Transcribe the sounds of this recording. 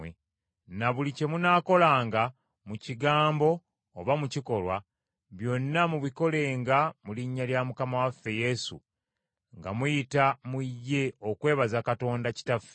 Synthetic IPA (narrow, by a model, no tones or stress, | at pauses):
e | naβulice̞munaːko̞laːŋɡa | muciɡaːmbo̞ː | βamuciko̞lwa | βjo̞nːamuβiko̞le̞ːŋɡamuliɲːaljamukamawafːe̞je̞sṵ | ŋɡa̰mujitamujːe̞o̞kwe̞ːβazakato̞ːndaci̥tafe